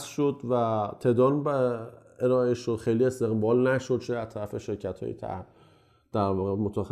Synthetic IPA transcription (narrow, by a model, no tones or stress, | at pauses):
sʃod̪væt̪ʰed̪ɒːn | eɾɒːeʃoxejliest̪e̞ɣbɒːlnæʃod̪̚t͡ʃʰeæzt̪ʰæɾæfeʃe̞ɾcʰæt̪ʰhɒ̰ːjet̪ʰæ̰hm | d̪̥æɾvɒːɣemot̪ʰæx